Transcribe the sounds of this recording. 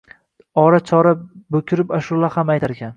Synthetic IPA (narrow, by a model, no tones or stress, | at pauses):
ɒɾat͡ʃʰɒɾabɵkʲʰɪɾɪpaʃʊlˠahamajt̪ʰaɾkʲan